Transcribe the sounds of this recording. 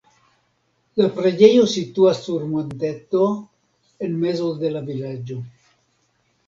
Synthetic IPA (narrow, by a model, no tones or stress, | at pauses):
lapɾed͡ʒe̞jo̞sit̪uasːuɾmo̞nt̪et̪o | enme̞zod̪e̞lavilad͡ʒo̞